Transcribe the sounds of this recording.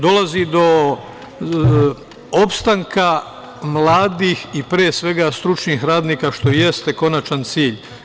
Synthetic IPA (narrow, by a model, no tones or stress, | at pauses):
d̪o̞lˠazid̪o̞ | opst̪aŋka | mlˠaːd̪ixipɾeːsʋe̞ɡast̪ɾut͡ʃnixɾaːd̪niːkaʃt̪o̞je̞st̪e̞ko̞nat͡ʃant̪siːʎ